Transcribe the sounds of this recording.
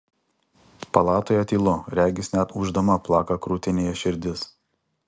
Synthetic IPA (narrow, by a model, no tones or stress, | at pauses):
pɐlˠɑːt̪oːjɛt̪ʲiːlˠʊɾʲæːɡʲɪsʲnʲæt̪ʊʒd̪ɐmɐplˠɑːkɐkɾuːt̪ʲɪnʲeːjɛʃʲɪɾʲd̪ʲɪs